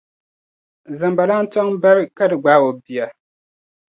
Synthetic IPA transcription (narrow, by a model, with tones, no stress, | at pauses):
za˨mba˨laː˦n̩˦tɔ˦ŋba˦ɾka˦dɨ˨ɡ͡ba˨˦o˨bi˨a˨